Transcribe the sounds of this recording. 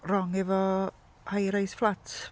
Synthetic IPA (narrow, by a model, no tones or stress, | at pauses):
rɔŋɛvɔ | hajɾajsflˠatʰ